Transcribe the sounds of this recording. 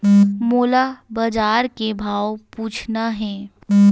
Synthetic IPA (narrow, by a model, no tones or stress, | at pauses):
moːlabad͡ʒaːɾkebʱaːopuːt͡ʃʰnaɦɛ̃ː